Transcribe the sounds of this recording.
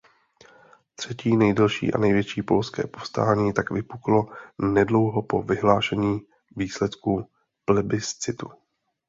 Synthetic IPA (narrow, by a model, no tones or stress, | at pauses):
t̪r̝̥ɛciːnɛjdɛlʃḭːʔa̰nɛjvjɛt͡ʃiːpo̞lskɛ̰ːpo̞fst̪aːɲiːt̪akvɪpuklo̞nɛdlo̞wɦo̞po̞vɪɦlaːʃɛɲiː | viːslɛt̪ku | plɛbɪst͡sɪt̪u